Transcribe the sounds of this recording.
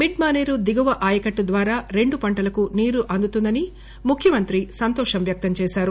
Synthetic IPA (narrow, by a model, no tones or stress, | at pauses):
miɖ̚maːneːɾud̪iɡɐʋɐʔaːjɐkɐʈːud̪ʋaːɾaːɾe̞ɳɖupɐɳʈɐlɐkuniːɾuʔɐnd̪ut̪und̪ɐni | mukʰjɐmɐnt̪ɾisɐnt̪ɔːʂɐmʋjɐk̚t̪ɐmt͡ʃɛːʃaːɾu